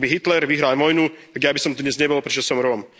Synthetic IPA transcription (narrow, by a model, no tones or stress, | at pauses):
biɦit̪lɛɾʋiɦɾalmɔjnut̪aɡjabisɔmt̪ɔd̪ɲɛzɲɛbɔlˠpɾɛt͡ʃɔsɔmɾɔm